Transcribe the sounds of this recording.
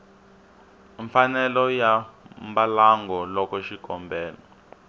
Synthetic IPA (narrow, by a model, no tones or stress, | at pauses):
ɱfanɛlɔjambalaŋɡɔlɔkɔʃikɔmbɛːlɔ